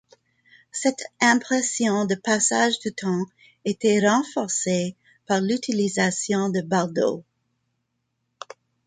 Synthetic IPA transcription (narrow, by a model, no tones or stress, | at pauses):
sɛt̪ɛ̃pχɛsjɔ̃d̪əpasaʒd̪ət̪ʰɑ̃ | et̪ɛʁɑ̃fɔʁse | paʁlyt̪ʰilizasjɔ̃d̪əbaʁd̪o̰